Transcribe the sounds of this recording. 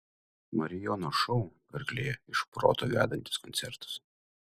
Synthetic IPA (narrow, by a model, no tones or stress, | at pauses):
mɐɾʲɪjɔnoʃɔʊpɐɾɡlʲeːjɛɪʃpɾo̰ːt̪oʋʲæ̰ːd̪ɐnʲt̪ʲɪ̥skɔnt̪sʲɛɾt̪ʊ̥s